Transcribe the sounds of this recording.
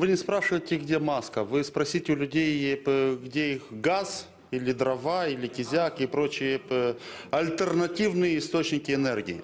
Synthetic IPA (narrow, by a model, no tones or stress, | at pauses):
vɨnʲɪspɾaʂɨvəjɪtʲɪɡdʲemaskəvɨspɾɐsʲitʲɪʊlʲʊdʲejpɡdʲeixɡaz | ilʲɪd̪ɾɐvailʲɪkʲɪzʲakɪpɾot͡ɕɪjəpɐlʲt̪ərnɐtʲivnɨjəɪst̪ot͡ɕnʲɪkʲɪɛnɛrɡʲiɪ̰